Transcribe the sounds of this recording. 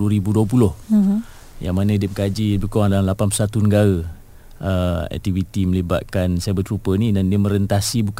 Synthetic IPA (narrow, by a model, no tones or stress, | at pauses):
uəɾibuduəp̬ulʊh | ja̰ŋmanə̃idəpəkad͡ʒibəkoaŋdalanlapanpusat̪unəɡaɾə | əɛ̰k̚t̪ivit̪iməliba̰t̪̚kansaabət̪ɾupənidandiəmə̃ɾənt̪asibuk